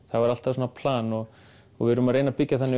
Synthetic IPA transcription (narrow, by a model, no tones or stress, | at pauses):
θavaɾal̥t̪avsɔnapʰlaːnɔɣ | ɔɣvɪɾʏmaðreːjnapicːaθɛnːɪ